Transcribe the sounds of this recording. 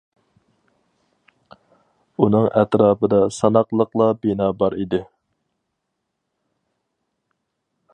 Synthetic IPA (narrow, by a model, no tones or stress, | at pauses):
unɨŋʔɛt̪ɾɑːpəd̪ɑsɑnɑqlˠəqlˠɑbinɑːbɑɾid̪ɪ